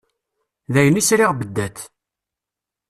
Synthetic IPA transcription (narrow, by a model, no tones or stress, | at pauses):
ðæjənisɾiʁbəd̪ːæt̪